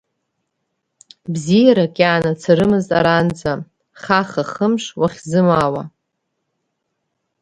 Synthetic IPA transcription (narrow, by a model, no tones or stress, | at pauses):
bzijaɾakʲʼaːnat͡sʰaɾɨmɨztʼa̰ɾand͡zʼa | χaχaχəmʂwaχʲzɨmaːwa̰